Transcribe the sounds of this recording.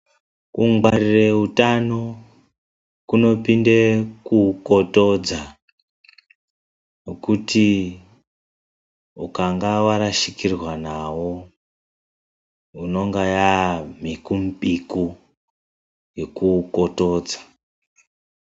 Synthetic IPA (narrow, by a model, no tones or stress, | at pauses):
kuŋwarireutano | kuno̞pindekuko̞to̞d͡za | nokutʰi | ukaŋɡawaɾaʃikirwanawo | uno̞ŋɡajamikumpʼiku | jekuko̞to̞ːd͡zḁ